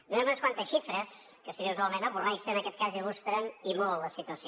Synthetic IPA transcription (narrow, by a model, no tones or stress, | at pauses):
nenumẽnskwant̪əsʃifɾəskəsəɾiuzalˠmẽnɐβurajsənɐkɛt̪̚kazilust̪ɾɐnimolˠɐsit̪wəsi